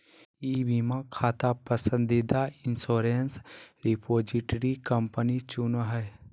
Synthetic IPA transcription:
iːbimãkʰaːt̪apəsə̃nd̪id̪aɪnsoːɾensɾipʰoːd͡ʒiʈɾikəmpənit͡ʃunɦɛj

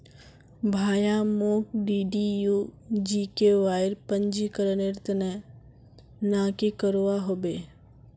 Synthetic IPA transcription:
bʱaːjamoːkɖiːɖijud͡ʒiːkeʋaːɪɾpəɲd͡ʒikəɾəneɾt̪nɛ | naːkikəɾoaɦobeː

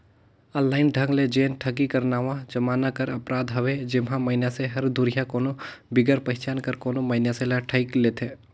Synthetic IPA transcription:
ə̃ːllaːɪnɖʱɐ̃ŋɡled͡ʒeːnʈʰɐɡikɐɾnaːʋãd͡ʒɐmaːnakɐɾɐpɾaːd̪ɦɐʋed͡ʒɪmɦãmɐɪnjaseɦɐɾd̪ʱʊɾijakoːnobɪɡəɾpɐɦɪt͡ʃaːnkəɾkoːnoməɪnjaselaʈʰəɪkleːt̪ʰeː

